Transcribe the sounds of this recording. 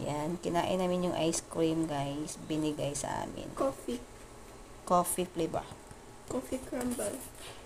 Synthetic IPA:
jankɪnaːʔɪ̰nːaːmɪnjʊŋʔajskɾimɡajsbɪnɪɡajsɐ̰ʔa̰ːmɪ̰nkofi | koːfiplɪba̰ | kofikɾambal

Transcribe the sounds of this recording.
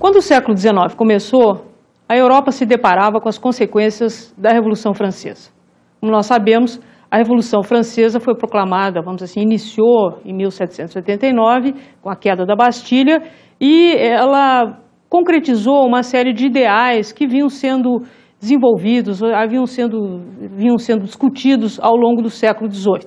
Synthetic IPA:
kwɐ̃nd̪ʊːsɛkʊlʊd͡ʒ̪ɪzenɔvɪkõmeso | ɐewɾɔpɐsɪd̪epaɾavɐkõɐskõsekwẽsiɐzd̪ɐhevolusɐ̃w̃fɾɐ̃sḛz̥ɐ̥ | kõmʊnɔssabẽmʊs | ɐhevolusɐ̃w̃fɾɐ̃sezɐfojpɾoklamad̪ɐvɐ̃mʊzasĩinisioẽj̃miwsɛt͡ʃɪ̥sẽt̪ʊzojt̪ẽt̪ejnɔvɪkõɐkɛd̪ɐd̪ɐbast͡ʃiʎɐ | ɪɛlɐ | kõkɾet͡ʃizoũmɐsɛɾiɪd͡ʒɪid̪eajskɪvĩɲɐ̃w̃sẽnd̪ʊ | d͡ʒɪzẽvowvid̪ʊzavĩɐ̃w̃sẽnd̪ʊvĩɐ̃w̃sẽnd̪ʊd͡ʒɪiskut͡ʃid̪ʊza̰wlõŋɡʊd̪ʊsɛkʊlʊd͡ʒɪzojt̪ʊ̥

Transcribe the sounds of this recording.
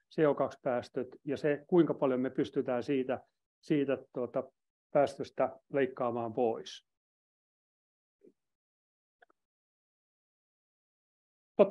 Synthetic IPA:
seokɑkspæːst̪øt̪jɑsekuiŋkɑpɑljomepyst̪yt̪æːsiːt̪æ | siːt̪æt̪uot̪ɑ | pæːst̪øst̪æleikːɑːmɑːmpois | t̪ot̪

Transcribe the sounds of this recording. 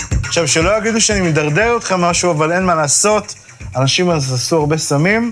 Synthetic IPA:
aχʃavʃelo̞jaɡid̪uʃeanimed̪aʁd̪eʁot̪χemːaʃuavale̞nmalaːso̞t̪ | anaʃimazasuaʁbe̞samim

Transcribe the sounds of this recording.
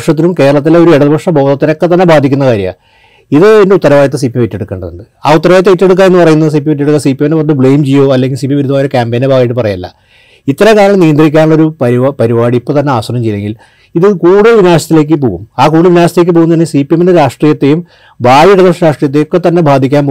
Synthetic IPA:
ʂɐt̪̬ːinumke̞ːɾɐɭɐt̪̬ːilo̞ɾueɽɐðɨbʱɐkʂɐbʱo̞ːd̪ɐt̪ːinokːe̞t̪̬ːɐnːe̞bʱaːd̪ʱikʲːunːɐkaːɾjɐ̰ | iðɨendeut̪ːɐɾɐʋaːjɐt̪ɐsipːijemʋetːe̞ɽukːeːɳɖɐðṵɳɖɨ | aːut̪ːɐɾɐʋaːjɐt̪̬ːeʋitːeɽuk̬ːaːne̞nːɨpɐrɐjunːɐðɨsipiemetːeɽukːasipijemneʋɐnːɨbɭejmt͡ɕejːo̞ːɐlːeŋɡilsipijemʋiɾud̪ːmaːjoɾukʲaːmpeːnebaːɣɐjiʈːɨpɐrɐjɐlːɐ̰ | it̪ːɐɾɐkaːɾɐɐmnijɐnd̪rikʲːaːnuɭːɐo̞ɾupɐɾipɐɾibaːɽiipːot̪ɐnːe̞aːsɐnɐmt͡ɕejːleŋɡil | iðɨkuːɽɨʋinaːɕɐt̪ːile̞ːk̬ʲːɨpo̰ːɣumaːkuːɽɨʋinaːɕɐt̪ileːkːɨpo̞ːɣunɐt̪inːesiːpijemendeɾaːʂʈrijɐt̪ːe̞jum | baːjiiɽɐðɐʂɐɾaːʂʈrijɐt̪ːejokːe̞t̪ɐnːe̞bʱaːd̪ʱikʲːaːnpo

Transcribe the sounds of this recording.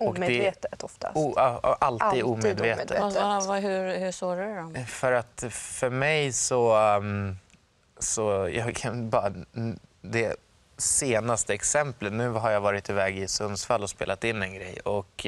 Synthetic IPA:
ɔkmed̪ɛveːt̪ət̪ɔft̪a̰ʔalt̪iːd̪uːmeːd̪veːt̪ːəvaɦɵhɵsoːɾədɔmfœɾat̪fœɾmɛjsɔ | sɔjɑ̰ɡkʰanbɑːɾa | d̪ɛ | seːnast̪əɛksɛmplət̪nʉ̟ːɦaɾjavɑːɾɪt̪ɪvɛːɡɪsɵnsfalːɔspḛːlat̪ɪnːɛnɡɾɛ̰jɔk

